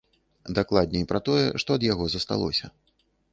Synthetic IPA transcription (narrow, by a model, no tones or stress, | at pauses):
d̪aklˠad̪̚ʲnʲɛipɾɐt̪ɔjɛ̰ʂt̪ɔɐd̪jaɣɔzɐst̪a̰lˠɔ̰sʲɐ̰